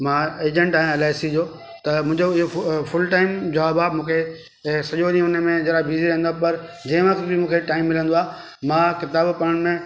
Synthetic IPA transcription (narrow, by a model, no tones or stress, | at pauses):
mãːeːd͡ʑə̃ɳʈaːijãelaːsid͡ʑoː | t̪ɐmũːɪ̃ɲd͡ʑoɪɦofʊlʈaːɪmd͡ʑoabaːbmũːkʰe | sɐʄoɗĩʊnəmẽd͡ʑɐɾabiːziɾɐɦə̃nd̪oapɐɾd͡ʑɐ̃ɦɪ̃ʋɐkt̪bɪmũːkʰeʈaːɪmːɪlə̃nd̪oaː | mãkɪt̪aːbpɐɽəɽ̃ɪ̆mẽ